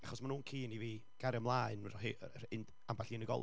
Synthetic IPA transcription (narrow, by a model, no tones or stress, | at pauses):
aχɔsmanuːnkʰiːniviː | ɡ̥aɾjəmlˠaːɨnrɔɦi | ɪnd | ambaɬiːnəɡɔ̰l